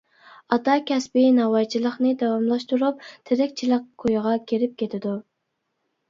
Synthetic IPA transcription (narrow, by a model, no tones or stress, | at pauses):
ɑt̪ɑkʲʰɛsbɪnɑwɑjt͡ʃʰilˠəχnɨd̪ɑwɑmlˠɑʃt̪uɾup̚t̪ʰɪɾɪkʲt͡ʃʰilˠəq̚kʰojʁɑkʲʰeɾɪp̚kʲʰet̪ʰɪd̪u